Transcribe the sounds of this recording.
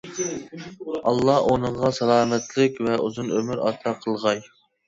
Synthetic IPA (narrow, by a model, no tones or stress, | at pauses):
ɑlˠːɑonɨɴʁɑsɑlˠɑːmɛt̪ʰlɪkʲvɛuzunømyɾɑ̰ɾt̪ʰɑqʰəlˠʁɑj